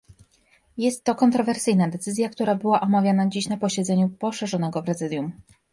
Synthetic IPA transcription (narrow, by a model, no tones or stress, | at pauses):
jɛst̪ːɔkɔnt̪ɾɔvɛɾsɘjnad̪ɛt̪sɘzʲjak̚t̪uɾabɘwaʔɔmavʲjanad͡ʑiɕnapɔɕɛd̪zɛɲupɔʂɛʐɔnɛɡɔpɾɛzɘd̪ʲjum